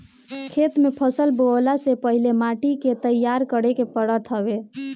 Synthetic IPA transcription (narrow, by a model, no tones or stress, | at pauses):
kʰet̪mepʰəsəlbolasepəɦilemaʈiket̪əjːaɾkəɽekepəɽət̪ʰɦəbe